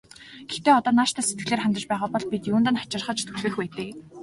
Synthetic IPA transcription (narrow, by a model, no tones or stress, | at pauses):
ɡ̥ext̪eːɔt̪ɔːnaːʃt̪ʰaːset̪̚ɡɘ̆ɮeːrχanʲt̪ə̆t͡ɕpæːʁaːpɔɮpit̪juːnt̪ə̆nχḁt͡ɕɪ̆rχə̆t͡ɕt̪ʰu̥t͡ɕeːxpæːt̪eː